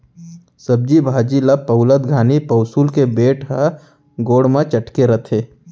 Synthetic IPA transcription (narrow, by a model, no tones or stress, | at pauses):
sɐb̚d͡ʒibʱaːd͡ʒiləpɐʊləd̪ɡʱaːnipɐʊsuːlkebeːʈɦa | ɡoːɽmãt͡ʃɐʈkeɾɐt̪ʰeː